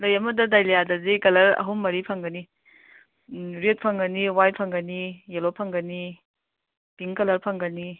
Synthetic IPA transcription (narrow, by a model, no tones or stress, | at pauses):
lɐjɐmɐdɐdajlejadɐzekɐlɐɾɐ̰ɦumːɐɾipʰɐŋɡɐni | ɾet̚pʰɐŋɡɐniwajpʰɐŋɡɐnijelopʰɐŋɡɐni | tiŋkɐlɐɾpʰɐŋɡɐni